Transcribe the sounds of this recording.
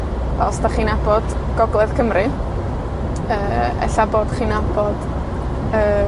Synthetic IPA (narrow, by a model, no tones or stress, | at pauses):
basd̥aχiːnabɔd̥ɡ̥ɔɡlˠɛðkʰəmrɨ | əːɛ̰ɬaboːd̥χiːnabɔd̥ | əː